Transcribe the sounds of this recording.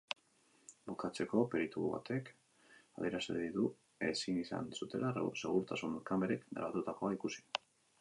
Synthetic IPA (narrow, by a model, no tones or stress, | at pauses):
bukat͡se̞ko̞pe̞ɾit̪ṵβa̰t̪ʰe̞k | aðje̞ɾaseðiðu | esinisa̰nsut̪e̞̰lase̞ɣ̞uɾt̪asunuɾkambeɾekneɾβat̪ut̪ako̞aikusi̥